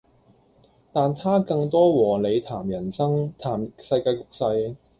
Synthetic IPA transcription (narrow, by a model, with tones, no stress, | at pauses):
t̪aː˨nt̪ʰaː˥kɐ˧ŋt̪ɔː˥wɔː˨˩le˨˧jt̪ʰaː˨˩mjɐ˨˩nsɐ˥ŋt̪ʰaː˨˩msɐ˧jkaː˧jkʊ˨k̚sɐ˧j